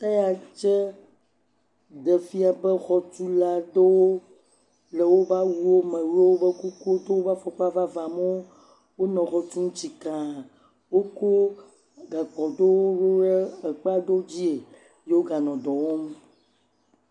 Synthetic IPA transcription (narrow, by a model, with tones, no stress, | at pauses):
t̪a˦ja˨t͡ʃɛ˦ | ɖ̪ɛ˨fi˦a˨bə˦xɔ˨t͡ʃu˦la˦d̪e˦wo˦ | lɛ˨wo˦va˦wu˦wo˦mɛ̃˨ɾe˦wo˦bə˦ku˦ku˦o˦d̪o˦wo˦va˦fɔ˨k͡pa˦va˦va˨mo˦ | wo˦nɔ̃˨xɔ˨t͡ʃu˦ŋũ˦t͡ɕi˨kã˨ | wo˦ko˦ | ɡa˨k͡pɔ˨d̪o˦wo˦ɾo˦ɾe˦ə˨k͡pa˦d̪o˦d͡ʑi˦e˨ | je˦wo˦ɡa˨nɔ̃˨ɖ̪ɔ˨wo˦m˦